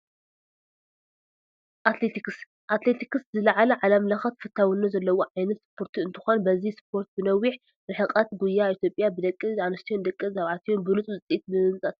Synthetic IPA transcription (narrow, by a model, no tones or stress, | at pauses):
ʔat̪let̪ʰiks | ʔat̪let̪ʰikɨszɨlɐʕalɐʕalɐmlɐxɐt̪fɨt̪ʰːawinːazɐlːɐwoʕajnɐt̪spʰo̞ɾt̪ʰuɨnt̪ʰɨ̥xo̞nbɐzispʰo̞ɾt̪̚bɨnɐwːiħ | ɾɨħɨqʼɐt̪ɡujːait̪ʰjo̞pʼjabɨd̪ɐkʼːɨanɐst̪ʰijond̪ɐkʼːɨzaβʕat̪ʰijonbɨɾɨt͡sʼuɨt͡sʼiʔit̪̚bɨmɨnt͡sʼɐt̪